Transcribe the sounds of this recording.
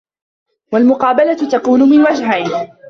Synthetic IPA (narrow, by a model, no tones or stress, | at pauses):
walmʊqɑːbalat̪akuːnʊmɪnwad͡ʒɦajn